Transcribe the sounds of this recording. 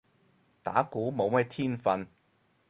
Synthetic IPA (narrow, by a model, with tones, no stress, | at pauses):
t̪a̰ː˨˥kuː˨˥mo˨˧wmɛː˥t̪ʰiː˥nfɐ˧n